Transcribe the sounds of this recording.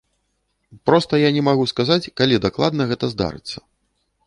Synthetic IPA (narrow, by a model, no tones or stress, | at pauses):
pɾɔst̪ɐjanʲɛmaɣuskazat͡sʲkalʲid̪aklˠad̪nɐɣɛt̪ɐzd̪a̰ɾɨ̰t̪sːɐ̥